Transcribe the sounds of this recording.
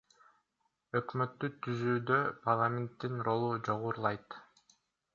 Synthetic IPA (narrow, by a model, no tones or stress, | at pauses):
ø̞kmø̞t̪ːyt̪ʰyzyːd̪ø̞pʰarlˠamʲe̞nt̪ːinro̞lˠud͡ʒo̞ʁuɾlˠɑjt̪